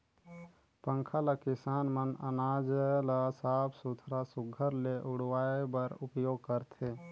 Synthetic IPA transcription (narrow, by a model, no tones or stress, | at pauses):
pə̃ŋkʰalakɪsaːnmənə̰naːd͡ʒlasaːbʰsʊt̪ʰɾasʊɡʱəɾleʔʊɽwaːebəɾʊpjoːɡ̚kəɾt̪ʰeː